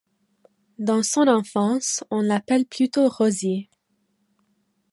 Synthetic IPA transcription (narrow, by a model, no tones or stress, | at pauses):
d̪ɑ̃sɔ̃nɑ̃fɑ̃sɔ̃lapɛlplyt̪oʁɔzi